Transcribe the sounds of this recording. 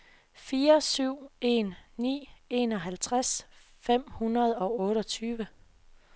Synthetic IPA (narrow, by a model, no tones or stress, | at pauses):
fiːɐsyʊ̰e̝̰nːḭːe̝nɒ̽ɦælt͡sʰʁas | fem̰hunɐð̞̩ˠɒ̽ɔ̽ːɾɒ̽t͡sʰyːʋə